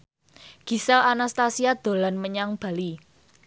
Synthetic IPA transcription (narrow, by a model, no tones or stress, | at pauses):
ɡ̥i̤sɛlanast̪asiad̪̥o̤lanməɲaŋb̥a̤li